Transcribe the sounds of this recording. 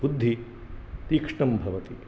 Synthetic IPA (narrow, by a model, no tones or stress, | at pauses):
bud̪ʱːi | t̪iːkʂɳɐmbʱɐʋɐt̪i